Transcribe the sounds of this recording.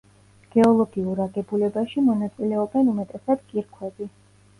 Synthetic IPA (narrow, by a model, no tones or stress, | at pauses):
ɡ̥ɛɔlˠɔɡiuɾaɡɛbulɛbaʃimɔnat̪sʼilɛɔbɛnumɛt̪ʼɛsad̪̥kʼiɾkʰwɛbi